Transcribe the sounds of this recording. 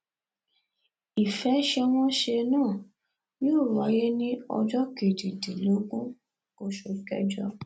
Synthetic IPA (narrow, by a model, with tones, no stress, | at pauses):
i˨fɛ˨˦ʃe˧w̃ɔ̃˦ʃe˧nãː˦˨ | nĩ˦o˦˨ɾa˨˧˦je˦nĩ˦ɔ̰˧d͡ʒɔ˦ke˨di˨dĩ˨lo˨˦ɡũ˦ | ko˦ʃo˧kɛ̰˦d͡ʒɔ˦